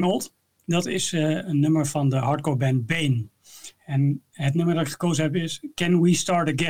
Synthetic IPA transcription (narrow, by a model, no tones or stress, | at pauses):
olˠt | dɑtɪsənːɵməɹvɑndəɦɑɹt̚kɔɹbɛ̃nt̚bejn | ɛnɦətnøməɹdɑtɪkχə̥kowzəɦɛpɪskɛ̃nwistɑɹtəɡɛ